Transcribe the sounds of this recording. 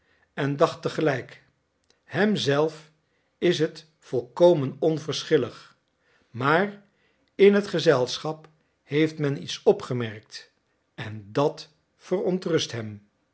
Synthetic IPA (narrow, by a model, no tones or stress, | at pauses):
ɛndɑχtəχəlɛjk | hɛmzɛlˠf | ɪs̬ɦət | fɔlˠkowmənɔnvəɹsχɪləχ | maːr | ɪnɦətχəzɛlˠsχɑp | hejftmɛnḭtsɔpχəmɛɹk̚t | ɛndɑt | fərɔntrɵstɦɛm